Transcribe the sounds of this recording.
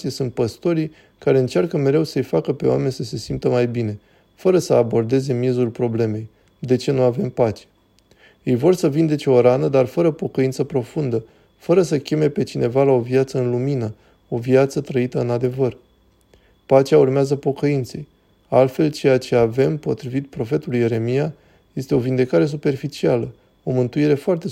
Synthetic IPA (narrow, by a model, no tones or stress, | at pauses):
isunt̪̚pəst̪o̞ɾij | kaɾe̞ɨnt͡ʃarkəme̞ɾe̞wsəɨjfakəpe̞wa̰me̞nʲsəse̞simpt̪əmajbine̞ | fəɾəsəabo̞rd̪e̞ze̞mjezulpɾo̞ble̞me̞j | d̪e̞t͡ʃe̞nuave̞mpat͡ʃe̥ | jejvo̞rsəvind̪e̞t͡ʃeoɾanəd̪arfəɾəpo̞kəint̪səpɾo̞fund̪ə | fəɾəsəkʲe̞me̞pe̞t͡ʃine̞valao̞viat̪səɨnluminə | o̞viat̪sət̪ɾəit̪əɨnad̪e̞vər | pat͡ʃeaurmeazəpo̞kəint̪se̞̰j | a̰lt̪fe̞lt͡ʃe̞jat͡ʃe̞ave̞mpo̞t̪ɾivit̪̚pɾo̞fe̞t̪uluje̞ɾe̞mija | je̞st̪e̞o̞vind̪e̞kaɾe̞s̬upe̞rfit͡ʃialə | o̞mɨnt̪uiɾe̞foart̪e̞